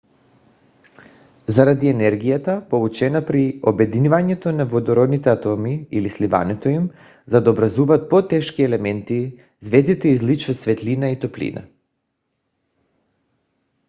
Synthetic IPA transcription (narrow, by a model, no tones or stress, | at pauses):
zaɾad̪iɛnɛɾɡijat̪apolˠut͡ʃɛnapɾiobɛd̪inivaɲɛt̪onavod̪ɔɾɔd̪nit̪ɛat̪ɔmiilisliva̰nɛt̪oim | zad̪aobɾazuvaːt̪̚pot̪ɛʃkiɛlɛmɛnt̪i | zvɛzd̪it̪ɛizlit͡ʃvasvɛt̪linait̪oplḭna̰